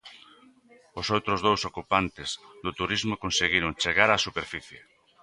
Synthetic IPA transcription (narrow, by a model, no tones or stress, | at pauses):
osowt̪ɾozðowsokupant̪ɪzðot̪uɾizmokonseɣiɾʊŋt͡ʃeɣaɾasupeɾfiθje